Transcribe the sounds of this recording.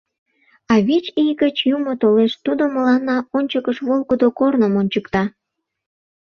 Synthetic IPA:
ɑβet͡ɕijɡət͡ɕjumot̪oleʃt̪ud̪oməlɑnːɑonʲt͡ɕəkəʃβolɡəd̪okornəmonʲt͡ɕəkt̪ɑ

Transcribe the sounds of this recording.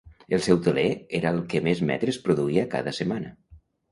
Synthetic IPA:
elˠsɛwt̪eleeɾaelˠkemezmɛ̰t̪ɾespɾoðuiaka̰ðəsemanə

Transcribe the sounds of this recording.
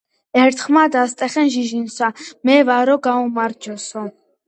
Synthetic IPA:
ɛɾt̪ʰχmad̪ast̪ʼɛχɛnʒiʒinsamɛvaɾɔɡaumaɾd͡ʒɔsɔ

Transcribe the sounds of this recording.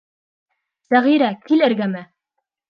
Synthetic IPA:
sæʁiɾækilɘ̆ɾɡæmɘ

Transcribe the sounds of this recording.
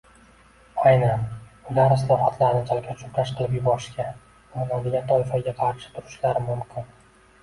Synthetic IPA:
ajnanʊlaɾslˠɒfat̪ʰlaɾɪnɪt͡ʃʰɒlˠɡʲat͡ʃʰʊpɾaʃqʰɨlˠɪpjʊbɒɾɪʃkʲa | ɒlnad̪ɪɡʲant̪ʰɒjfɒɡʲaqʰɑɾʃɪ̥t̪ʰʊɾɪʃlaɾɪmʊmkʲʰɪn

